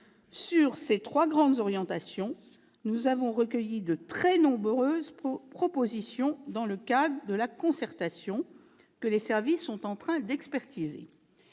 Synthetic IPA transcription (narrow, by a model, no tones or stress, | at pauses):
syʁset̪χwaɡʁɑ̃d̪zɔʁjɑ̃t̪asjɔ̃ | nuzavɔ̃ʁəkʲəjid̪ət̪χɛnɔ̃bøzpχɔpozisjɔ̃d̪ɑ̃ləkad̪ʁəd̪əlakɔ̃sɛʁt̪asjɔ̃ | kəlesɛʁvisːɔ̃t̪ɑ̃t̪χɛ̃d̪ɛkspɛʁt̪izḛ